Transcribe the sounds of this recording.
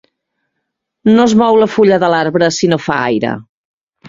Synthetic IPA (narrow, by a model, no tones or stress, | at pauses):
nozmɔwləfuʎəðəlaɾβɾəsinofa̰a̰jɾə̰